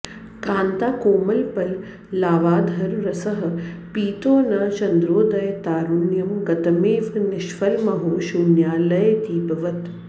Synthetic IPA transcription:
kaːnt̪aːkoːmɐlpɐlː | aːʋaːd̪ʱɐɾɾɐsɐɦɐ̆piːt̪oːnat͡ʃɐnd̪ɾoːd̪ɐjt̪aːɾuɳjɐmɡɐt̪ɐmiːʋnɪʃʋɐlmɐɦoːʃunjaːlɐjt̪iːbɐʋɐt̪

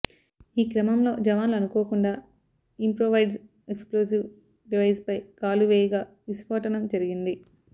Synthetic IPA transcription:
iːkɾɐmɐmlo̞ːd͡ʒɐʋaːnluɐnukoːkuɳɖaː | impɾoːʋɐjɖs | eksploːs̬iw | ɖiʋɐjspɐjkaːluʋɛːjɐɡaː | ʋispɐːʈɐnɐmd͡ʒɐɾiɡind̪i

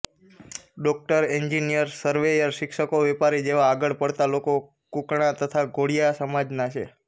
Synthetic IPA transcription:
ɖɔk̚ʈəɾeɲd͡ʒinijəɾsəɾʋejəɾʃɪkʃəkoʋɛpaɾid͡ʒeʋaːɡəɭpəɽt̪aloko | kukɳ̃at̪ət̪ʰaɡʱoɽijasəmad͡ʒnat͡ʃʰḛ

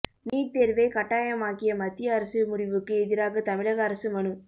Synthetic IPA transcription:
niːʈ̚t̪eːɾʋɐɪkɐʈːaːjɐmaːkɪjɐmɐt̪ːɪjɐːɾɐsɯmʊɽɪʋɯkːɯɛðɪɾaːɣɐt̪ɐmɪɻɐɣɐːɾɐsɯmɐnɯ

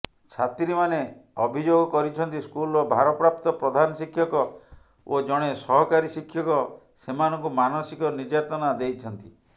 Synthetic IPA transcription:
t͡ʃʰat̪ɾimaneɔbʱid͡ʒoɡɔkɔɾit͡ʃʰɔnt̪iskulɔbʱaɾɔpɾap̚t̪ɔpɾɔd̪ʱanɔsikʰːjɔkɔ | od͡ʒɔɽ̃esɔɦɔkaɾisikʰjɔkɔ | semanɔŋkumanɔsikɔnid͡ʒaɾt̪ɔnad̪ejt͡ʃʰɔnt̪i

